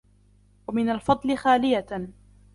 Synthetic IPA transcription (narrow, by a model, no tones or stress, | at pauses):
wamɪnalfɑd̪ˤlɪxaːlɪja